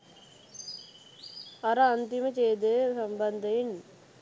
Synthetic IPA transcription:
ɐɾɐɐnt̪imɐt͡ʃeːd̪esɐmbɐnd̪ɐin

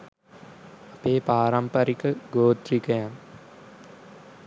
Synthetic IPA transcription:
apeːpaːɾampaɾikəɡoːd̪ɾikəjaŋ

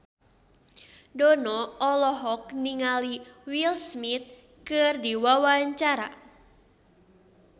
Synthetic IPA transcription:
dɔnɔɔlɔɦɔk̚niŋaliwilsmit̪̚ | kɨrdiwawaɲt͡ʃaɾa̰

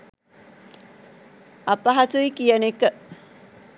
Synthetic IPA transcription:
apaɦatuikijənekːə

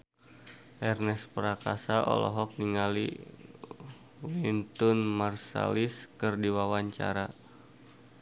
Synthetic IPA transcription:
ʔɛrnɛspəɾakasaʔɔ̰lɔ̰ɦɔk̚niŋalḭ | wint̪unmarsa̰liskɨrdiwawaɲt͡ʃa̰ɾa

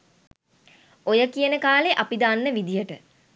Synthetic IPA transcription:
ojəkijənəkaːleʔapid̪aːnːəʋid̪ijəʈə

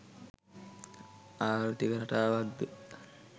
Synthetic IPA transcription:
aːɾut̪ikəɾaʈaːʋad̪ːə

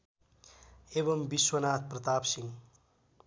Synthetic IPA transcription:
ebʌmbiswʌnaːt̪̚ʰprʌt̪aːpsiŋ

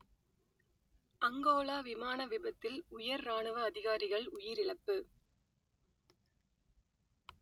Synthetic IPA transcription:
ʔɐŋɡoːlaːʋɪmaːnɐʋɪbɐt̪ːɪlʊjɐɾːaːɳɯʋɐːðɪɣaːɾɪɣɐɭʊjɪɾɪɭɐpːɯ

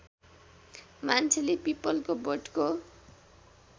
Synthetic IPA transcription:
mant͡sʰelepipɔlkoboɖko

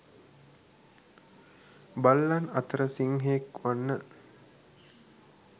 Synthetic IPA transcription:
balːanɐt̪əɾəsiŋɦeːkʋanːə

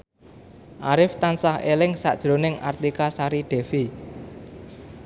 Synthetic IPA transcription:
ʔaɾɪft̪ansahelɪŋsa̰ʔd̥ʒ̥ɾo̤nɪŋʔa̰rt̪ikasaɾiɖ̪̥ɛ̤fi

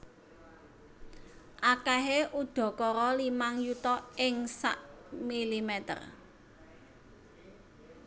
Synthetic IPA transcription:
ʔakɛɦeʔuɖ̪̥ɔ̤kɔɾɔlimaŋjut̪ɔʔɪŋsa̰ʔmilimɛt̪ə̰r

